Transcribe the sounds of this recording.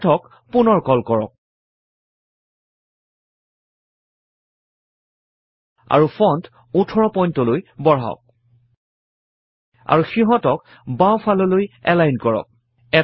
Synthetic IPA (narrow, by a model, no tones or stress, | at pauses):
tʰɔk | punɔɹkɔlkɔɹɔ̰k̚ | a̰ɹufʰɔnt | utʰɔɹɔpɔjntɔlojbɔɹa̰ʊk̚ | a̰ɹuxiɦɔtɔk | bawpʰalɔlojɛlajnkɔɹɔ̰k̚ | ɛ